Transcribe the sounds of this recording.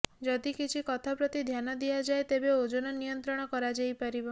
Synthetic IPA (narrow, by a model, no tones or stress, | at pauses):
d͡ʒɔd̪ikit͡ʃʰikɔt̪ʰapɾɔt̪id̪ʱjanɔd̪ijad͡ʒaet̪ebeod͡ʒonɔnijɔnt̪ɾɔɽ̃ɔkɔɾad͡ʒajpaɾibɔ